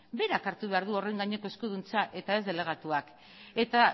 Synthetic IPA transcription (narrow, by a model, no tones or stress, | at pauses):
be̞ɾakaɾt̪uβe̞aɾðuo̞re̞ŋɡaɲe̞ko̞e̞skuð̞unt͡saʔe̞t̪ae̞zðe̞le̞ɣ̞at̪uak | e̞t̪a